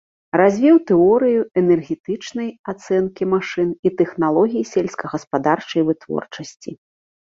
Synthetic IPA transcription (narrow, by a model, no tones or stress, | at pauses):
razʲvʲɛwt̪ɛɔɾɨjuɛnɛrɣʲɛt̪ɨt͡ʂnɐjat̪sɛnkʲimaʂɨnit̪ɛxnalˠɔɣʲijisʲɛlʲsʲkɐɣɐspad̪art͡ʂɐjvɨt̪vɔ̰rt͡ʂɐsʲt͡sʲi